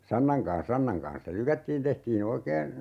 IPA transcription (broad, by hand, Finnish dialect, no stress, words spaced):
sɑnːɑŋ kɑ̃ːs sɑnːɑŋ kɑ̃ːs se lykætːiːn tehtiːn oikeːn̞